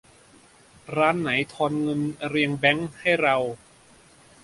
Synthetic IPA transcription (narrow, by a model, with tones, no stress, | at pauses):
ɾaː˦˥nːa˩˦jt̪ʰɔː˧nŋɤ˧nɾi˧əŋbɛ˦˥ŋha˥˩jɾa˧w